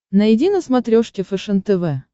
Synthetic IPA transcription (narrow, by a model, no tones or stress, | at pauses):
nɐjɪdʲinəsmɐt̪ɾʲoʂkʲɪfɛʂɛnt̪ɛvɛ